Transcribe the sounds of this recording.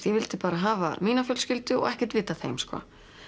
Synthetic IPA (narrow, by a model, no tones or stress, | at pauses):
t̪jɛvɪlt̪ɪpaːɾaɦaːva̰miːnafjœlscɪlt̪ʏɔ̰ɣɛhcɛ̥t̪vɪːt̪aθḛjmskɔ̰